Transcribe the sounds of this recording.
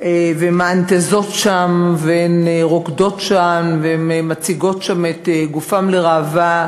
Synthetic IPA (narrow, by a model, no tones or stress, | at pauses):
vemaant̪ezo̞tʃamveeneʁokdo̞tʃamveemmat͡siɡo̞tʃameteɡufamleʁaːva